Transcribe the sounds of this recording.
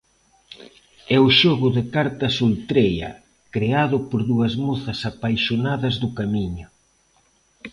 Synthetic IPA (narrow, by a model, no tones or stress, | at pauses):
ɛʊʃɔɣʊðekaɾt̪ɐsult̪ɾejɐ̰ | kɾeaðʊpoɾðuɐzmuθɐsapajʃonaðɐzðʊkamiɲʊ